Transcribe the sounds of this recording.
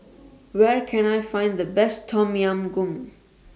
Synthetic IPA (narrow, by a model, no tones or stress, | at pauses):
wɛɹkʰɛ̃najfãɪ̃nd̪ðəbɛstʰːɔmiãmɡũm